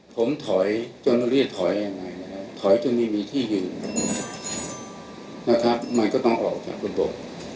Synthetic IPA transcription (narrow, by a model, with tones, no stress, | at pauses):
pʰo˩˦mt̪ʰɔ˩˦jt͡ɕo˧n˧ɾi˥˩t̚t̪ʰːɔ˩˦jja˧ŋːa˧jna˦˥kʰa˦˥t̪ʰɔ˩˦jt͡ɕo˧nma˥˩jmiː˧t̪ʰiː˥˩jɯː˨˩n | na˦˥kʰɾa˦˥p̚ma˧nkɔː˥˩t̪ɔ˥˩ŋʔɔ̰ː˨˩k̚t͡ɕa̰ː˨˩k̚ɾa˧bo̰˨˩p̚